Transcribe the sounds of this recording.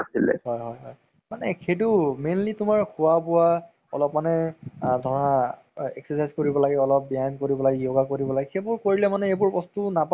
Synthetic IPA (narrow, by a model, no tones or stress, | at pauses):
asilɛ̰ɦɔjɦɔjɦɔj | manɛkʰetumenlitʊmaɹkʰʊwabʊwa | ɔ̰lɔpmanɛdʱɔɹa | ɛ̰ksɛsajzkoɹibɔlaɡɛɔlɔp̚bjajnkoɹibɔlaɡɛjoɡakoɹibɔlaɡɛxʰebʊɹkoɹilɛmanɛebʊɹbɔstunap